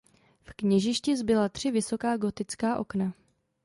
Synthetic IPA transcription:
fkɲɛʒɪʃcɪzbɪlat̪r̥ɪvɪso̞kaːɡo̞t̪ɪt͡skaːʔo̞̰kna

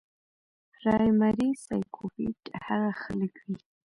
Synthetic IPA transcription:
ɾɑjmaɾisajkʰofiʈhaɣaxaləkwi

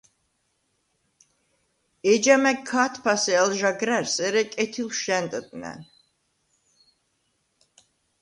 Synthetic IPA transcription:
ɛd͡ʒamɛkʰːat̪ʰpʰasɛɛlʒaɡɾɛɾsɛɾɛkʼɛt̪ʰilʃɛnt̪ʼd̪ʼnɛ̰n

